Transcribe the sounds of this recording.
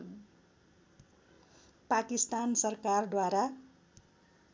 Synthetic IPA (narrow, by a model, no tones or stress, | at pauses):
pakist̪ansʌrkard̪waɾa